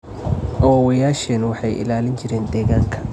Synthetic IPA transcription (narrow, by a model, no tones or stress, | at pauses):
ʔɐwɔːwɛjaːʃɛːnwɑħɑjʔɪ̰laːlɪnt͡ʃɪɾɛːnd̪ɛːɣaːŋkʰɐ̥